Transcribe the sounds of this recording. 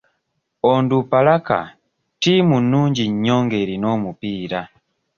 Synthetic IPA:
ɔndupalaka̰ | timunuɲd͡ʒiɲɲɔŋɡɛɾinɔmupiːɾa

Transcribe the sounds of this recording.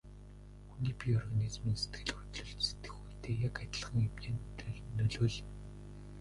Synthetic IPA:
xuniːpiɔrɣanʲizmiːnse̥t̪̚ɡ̥ɘ̆ɮxu̥t̪ɮɵ̆ɬtse̥t̪ɘ̥̆xuːjt̪eːjakat̪̆ʲɮ̆χə̆ŋemt͡ɕeːnt̪ɮnːɵɮɵːɮ

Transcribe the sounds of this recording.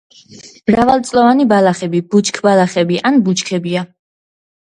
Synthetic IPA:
mɾavalˠt̪sʼlɔvanibalaχɛbib̥ut͡ʃʰkʰbalaχɛbiʔanbut͡ʃʰkʰɛbia

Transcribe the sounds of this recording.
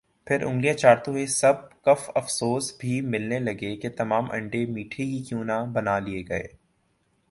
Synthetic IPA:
pʰɪɾʔʊ̰̃ŋɡlijat͡ʃaːɾt̪õɦesɐb̚kɐfɐfsoːsbʱimɪlnelɐɡeket̪ɐmaːmʔɐ̰̃ɳɖemiːʈʰikikjũːnabɐnalieɡɐḛː

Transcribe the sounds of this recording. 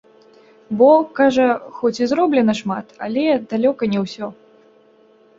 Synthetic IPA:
bɔkaʐɐxɔt͡sʲizɾɔblʲɛnɐʂmat̪a̰lʲɛd̪alʲɔkɐnʲɛwsʲɔ

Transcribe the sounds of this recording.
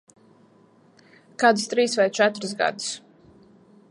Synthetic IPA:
kaːd̪ɨst̪ɾiːsvajt͡ʃɛt̪ɾs̬ɡa̰d̪ɨ̥s

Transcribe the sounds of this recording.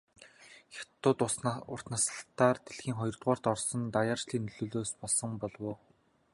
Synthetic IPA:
xʲḁt̪ːʊːt̪ʊsʊr̥t̪nasə̥̆ɬt̪ːaːrt̪eɮxiːŋχɔjɞ̆rt̪ʁaːr̥t̪ɔrsɞ̆nt̪ajaːrt͡ɕɮiːnɵɮoːɮoːspɔɮsɞ̆mpɔɮwoː

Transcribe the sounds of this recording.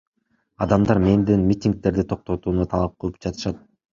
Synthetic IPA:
ɑd̪ɑmd̪ɑɾme̞nd̪inmʲit̪ʲiŋk̚t̪e̞ɾd̪it̪ʰo̞q̚t̪o̞t̪uːnut̪ʰɑlˠɑp̚qʰɯlˠɯp̚d͡ʒɑt̪ɯ̥ʃɑt̪̚

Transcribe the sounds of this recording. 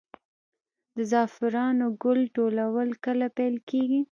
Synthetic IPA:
d̪əzɑfɪɾɑnoɡʊlʈolawəlkəlapɛjlkeɡi

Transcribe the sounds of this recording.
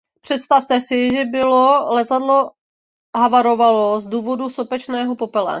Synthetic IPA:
pr̝̥ɛt̪st̪aft̪ɛsɪʒɛbɪlolɛt̪adlo̞ | ɦavaɾo̞valozduːvo̞dusopɛt͡ʃnɛːɦopopɛla̰

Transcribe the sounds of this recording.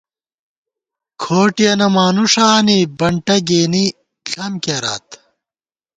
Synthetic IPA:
kʰoːʈijɐnɐmaːnuʂaːnibɐɳʈɐɡeːni | ɬɐmkeɾa̰ːt̪

